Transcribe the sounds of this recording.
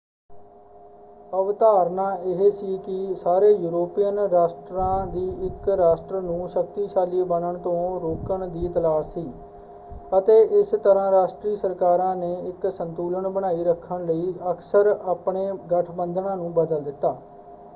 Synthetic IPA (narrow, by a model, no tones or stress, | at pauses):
əʋt̪aːɾnãːɪɦeːsiːkɪsaːɾeːjuːɾoːpiːənɾaːsʈɾãːd̪iːʔɪkɾaːsʈɾənũːʃək̚t̪iːʃaːlibənəɳt̪õːɾoːkəɳd̪iːt̪əlaːʃsiː | ət̪eːʔɪst̪əɾãːɾaːʃʈɾiːsəɾkaːɾãːneːɪksənt̪uːləɳbəɽaːiːɾəkʰːəɳləiːəksəɾaːpɳeːɡəʈʰbənd̪ʱɳãːnũːbəd̪əld̪ɪt̪ːaː